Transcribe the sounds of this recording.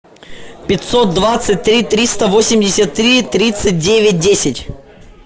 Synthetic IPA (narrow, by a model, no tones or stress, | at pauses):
pʲɪt̪ʲsot̪̚d̪vat̪sɨt̚ʲt̪ɾʲit̪ɾʲist̪əvo̞sʲɪmʲdʲɪsʲət̪ːɾʲit̪ɾʲit̪sɨt̚ʲdʲevʲɪt̚ʲdʲesʲɪtʲ